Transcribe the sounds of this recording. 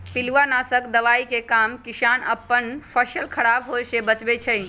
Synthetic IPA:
piluanasəkd̪əʋaikekamkisanəpːənpʰəsəlkʰəɽabɦosebət͡ʃbet͡ʃʰəj

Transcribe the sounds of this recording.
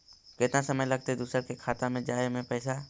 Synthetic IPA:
kɪt̪nasɐməjlɐɡ̚t̪eɛd̪uːsəɾkekʰaːt̪amẽd͡ʒaːemẽpɛːsa

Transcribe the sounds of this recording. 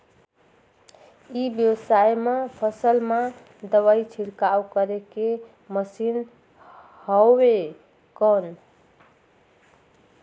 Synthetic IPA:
ibjewsajmepʰəsəlme | d̪əwait͡ʃʰiɽkaukəɾeke | məsin | hɔwe | kən

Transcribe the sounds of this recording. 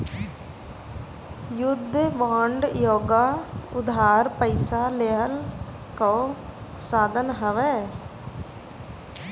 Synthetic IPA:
jʊd̪ʱʋaːɳɖjoːɡaːʊd̪ʱaːɾpəɪsaleɦəl | ko | saːd̪ʱənɦəʋɛː

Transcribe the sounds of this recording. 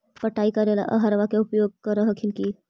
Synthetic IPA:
pəʈaikəɾela̰ʔəɦəɾʋakeupjoɡ̚kəɾəɦəkʰinki

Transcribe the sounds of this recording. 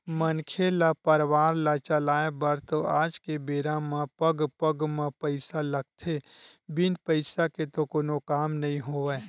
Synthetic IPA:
mənkʰelapəɾwaːɾlat͡ʃəlaːebɐɾt̪oaːd͡ʒkebeːɾãmãpəɡpəɡmãpəɪsalɐɡ̚t̪ʰebɪnpəɪsaket̪okoːnokaːmnɐɦĩɦoe

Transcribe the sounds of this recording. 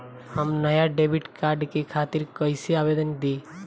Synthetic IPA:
həmnəjaɖebʱiʈkaɾɖkekʰat̪iɾkəjseabed̪ənd̪i

